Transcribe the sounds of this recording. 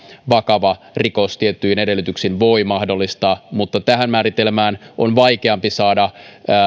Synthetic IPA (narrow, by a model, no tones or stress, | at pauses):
ʋɑkɑʋɑ | riko̞st̪iet̪ːyinedelːˑyt̪yksinʋoimɑhdolːist̪ɑːmut̪ːɑt̪æɦænmæːɾit̪elmæːnʔonʋɑikeɑmpisɑːdɑː